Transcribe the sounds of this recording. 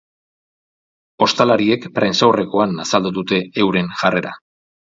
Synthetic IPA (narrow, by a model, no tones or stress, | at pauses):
o̞st̪alaɾie̞kpɾe̞nsawre̞ko̞anasald̪uðut̪e̞ːwɾe̞nʝare̞ɾa̰